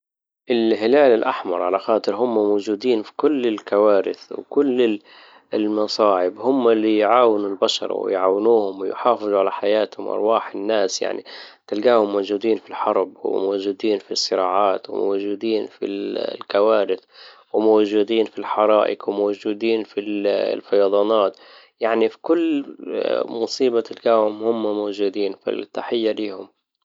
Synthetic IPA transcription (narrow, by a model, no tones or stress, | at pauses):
ʔɪlɦɪlaːlɪlʔaħmɑ̰ɾˤʕalaxɑːt̪ˤɨɾɦʊmːamoːd͡ʒuːd̪iːnfi̥kʊlːɪlkawaːɾɪ̰θwkʊlːɪ | lmɑsˤɑːʕɪbhʊmːalːijʕaːwɪnʊlbaʃɑ̰ɾˤwɪ̰jʕaːwɪnuːhʊmwɪ̰jħɑːfɨðˤuʕalaħajaːt̪hʊ̰mʔɑ̰ɾˤwaːħɪnːaːsja̰ʕnḭt̪ɪlɡaːhʊmːowd͡ʒuːd̪iːnfilħɑɾˤbwɪ̰moːd͡ʒuːd̪iːnfisˤːɪɾɑːʕɑːt̪wɪ̰mo̰wʒuːd̪iːnfḭlkawaːɾɪθwɪmowd͡ʒuːd̪iːnfilħɑɾˤɑːʔɪ̰kwɪmowd͡ʒuːd̪iːnfilfɑjɑd̪ˤɑːnɑːt̪ | jaʕnifi̥kʊlː | mʊsˤiːbat̪ɪlɡaːhʊmhʊmːmoːd͡ʒuːd̪iːnfḭlt̪ːaħɪjːaliːhʊm